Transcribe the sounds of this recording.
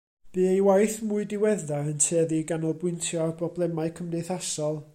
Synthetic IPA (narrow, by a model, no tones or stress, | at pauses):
b̥ɨːejwajθmʊɨdɪwɛðaəntʰeːðiɡanɔlˠbwʊɨntʰjɔarbʰrɔblˠɛmaɨkʰəmdeθasɔlˠ